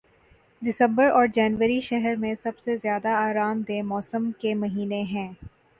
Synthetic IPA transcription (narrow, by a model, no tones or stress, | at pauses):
d̪ɪsə̃mbəɾɔːɾd͡ʒɛːnʋəɾiʃɛɦɛɾmẽsɐbsezjaːd̪aaːɾaːmd̪ẽːmɔːsə̃mkemɐɦiːneɦɛ̃ː